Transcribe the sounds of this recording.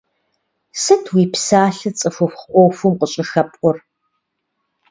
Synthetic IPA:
sɐtʰwiːpsaːɬɨt͡sʼɨfʷʊfχʔʷɔwfʊmqəɕʼɪxɐpʷʼɔr

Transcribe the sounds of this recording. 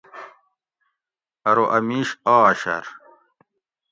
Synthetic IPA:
ɐɾoʔɐmiːɕaːɕɐ̰ɾ

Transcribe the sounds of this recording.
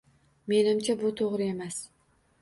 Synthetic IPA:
me̞nɪmt͡ʃʰabʊt̪ʰoʁɾɪe̞mas

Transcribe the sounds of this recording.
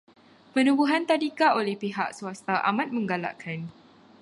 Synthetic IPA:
pənubuɦant̪adikaʔolɛhpiɦa̰ʔsuast̪aʔa̰mat̪̚mə̃ŋɡala̰ʔkʰan

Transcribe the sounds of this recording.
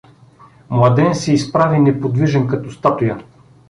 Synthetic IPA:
mlˠɐd̪ɛnsɛispɾavinɛpod̪viʒɛnkɐt̪ɔst̪at̪ujə

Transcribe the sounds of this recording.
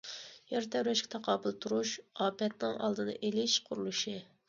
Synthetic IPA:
jɛɾt̪ʰɛwɾɛʃkʲɪt̪ʰɑqʰɑːbɨlˠt̪ʰuɾuʃɑːpʰɛt̪nɪŋʔɑ̰lˠd̪ɨnɨ̰ʔelɪʃqʰʊɾulˠuʃɪ

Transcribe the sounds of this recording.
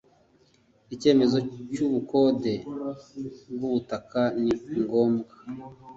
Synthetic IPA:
ice̞ːme̞zo̞cuβuko̞de̞ | bɡuβutakaniŋɡo̞ːmɡḁ

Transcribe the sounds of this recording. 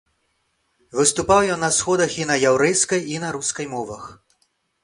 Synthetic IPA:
vɨst̪upawjɔnːɐsxɔd̪ɐxinɐjawɾɛjskɐjinɐɾuskɐjmɔvɐx

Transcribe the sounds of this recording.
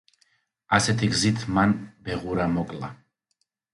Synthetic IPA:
asɛt̪ʰiɡzit̪ʰmanbɛʁuɾamɔkʼla̰

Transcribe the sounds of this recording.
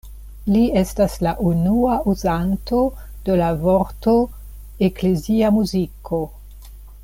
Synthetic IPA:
lie̞staslaʔunuaʔuzanto̞ | d̥elavo̞ɾto | ekleziamuzikʰo̞

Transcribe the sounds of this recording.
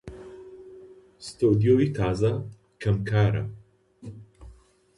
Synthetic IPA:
st̪od̪ijoːit̪ʰaːzɐ | kʰɐmkʰaːɾɐ̰

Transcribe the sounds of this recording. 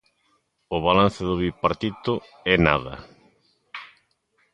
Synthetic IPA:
ʊβalan̟θeðʊβipaɾt̪it̪ʊ | ɛnaðɐ̰

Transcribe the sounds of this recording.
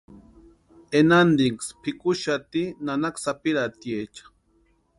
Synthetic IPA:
enand̪iŋkspʰikuʃat̪inanaksapiɾat̪jet͡ʃḁ

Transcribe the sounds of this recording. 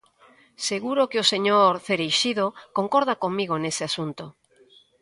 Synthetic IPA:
seɣuɾokeoseɲoɾθeɾejʃiðokoŋkoɾð̞akoŋmiɣonesɪasunt̪o

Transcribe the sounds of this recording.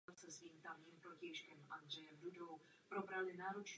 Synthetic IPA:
sɛsviːmt̪amɲiːmpɾocɛjʃkɛmʔand̪r̝ɛjɛmdudo̞w | pɾo̞bɾalɪnaːɾot͡ʃ

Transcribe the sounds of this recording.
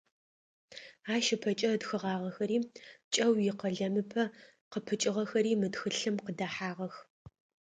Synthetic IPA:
aːʃɪpʰɐt͡ʃʼɐdxɨʁɑːʁɐxɐɾiːt͡ʃʼɐwjɪqɐɮɐmɨpʰɐ | qəpʰɨt͡ʃʼɪʁɐxɐɾiːmɨdxɨɬɨmqədɐħaːʁɐx

